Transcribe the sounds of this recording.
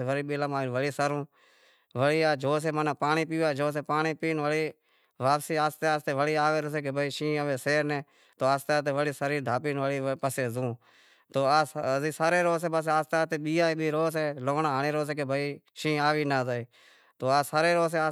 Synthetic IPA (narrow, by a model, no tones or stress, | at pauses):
ʋəɽiːɓɪləmaːʋəɽiːsaɾũː | ʋəɽiːaːd͡ʒoːs̬eːmənãːpaːɳiːp̬iːaːd͡ʒoːs̬eːpaːɳiːpiːnʋəɽiː | ʋaːpsiːaːst̪eːaːst̪eːʋəɽiːaːʋeːɾoseːkebʱəiːʃĩːəʋeːseːɾnẽː | t̪oːaːst̪aːt̪̬eːʋəɽiːsəɾiːd̪ʱaːpiːnʋəɽiːpəseːzũː | t̪oːaːziːsaːɾeːɾoːs̬eːbəs̬aːst̪aːt̪eːɓiːaːiːɓiːɾoːs̬eːloːnaːɦaːneːɾoːs̬eːkebʱəiː | ʃĩːaːʋiːnaːzaeː | t̪oːaːsaːɾeːɾoːs̬eːa